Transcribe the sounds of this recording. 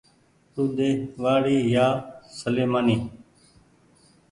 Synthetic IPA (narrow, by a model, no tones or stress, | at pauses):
t̪uːd̪eːʋaːɽiːjaːsəleːmaːniː